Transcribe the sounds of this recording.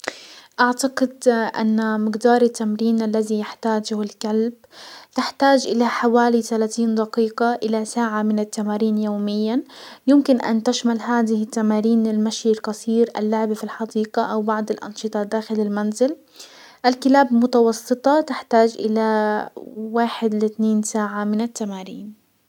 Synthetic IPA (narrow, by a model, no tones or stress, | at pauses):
ʔaʕt̪aɡɪd̪ʔa̰nːamɪɡd̪ɑːɾˤɪt̪ːamɾiːnʔalːazijɪħt̪aːd͡ʒʊhalkalb | t̪ɪħt̪aːd͡ʒʔɪlaħawaːlit̪alaːt̪iːnd̪ɑqiːqaʔɪlasaːʕamɪnɪt̪ːamaːɾiːnjoːmɪjːajʊmkɪnʔa̰nt̪aʃmalɦaːd̪ɪhɪt̪ːamaːɾiːnɪlmaʃjlqɑsˤiːɾʔa̰lːʊʕbafilħɑd̪iːqaʔawbɑʕd̪ˤɪlʔɑ̰nʃɨt̪ˤɑd̪aːxɪlɪlmanzɪl | ʔalkɪlaːbmʊt̪ɑwɑsˤːɨt̪ˤɑt̪ɪħt̪aːd͡ʒʔɪ̰la | waːħɪd̪lɪt̪neːnsaːʕamɪnɪt̪ːamaːɾiːn